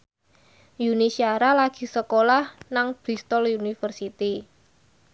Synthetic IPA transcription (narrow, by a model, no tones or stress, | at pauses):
junisiaɾalaɡ̥i̤səkolahnaŋb̥ɾist̪ɔlunifərsit̪i